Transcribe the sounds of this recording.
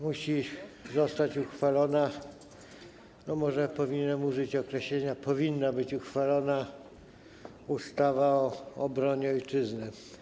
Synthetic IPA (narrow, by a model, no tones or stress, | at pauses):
muɕizɔst̪at͡ɕuxfalɔna | nɔmɔʐɛpɔvʲiɲɛmuʐɘt͡ɕɔkɾɛɕlɛɲapɔvʲinːabɘt͡ɕuxfalɔna | ust̪avaɔːbɾɔɲɛɔjt͡ʂɘznɘ